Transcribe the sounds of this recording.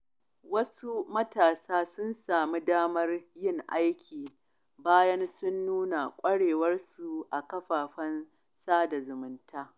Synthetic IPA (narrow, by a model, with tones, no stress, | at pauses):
wɐ˦su˦mɐ˦taː˨saː˦sʊ˦nsaː˨mi˦daː˦mɐ˦rjɪ˦˨ŋʔa˦jkʲʰiː˨ | baː˦jɐ˦nsʊ˦nːuː˦na˨kʷʼɐ˦ɽeː˨wɐ˦rsu˨ʔa˨kɐ˦ɸaː˨ɸɐ˦n | saː˦da˨zʊ˨mʊ˨˦ntʰaː˦